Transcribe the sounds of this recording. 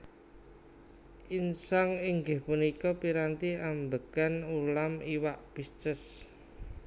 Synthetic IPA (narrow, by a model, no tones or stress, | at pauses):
insaŋɪŋɡɪhpunikɔpiɾant̪iambəɡ̥anulamiwaʔb̥ist͡ʃəs